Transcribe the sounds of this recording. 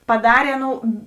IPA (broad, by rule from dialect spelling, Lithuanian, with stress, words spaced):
pɐˈdɑːrʲeː ˈɑːˌnoːʊ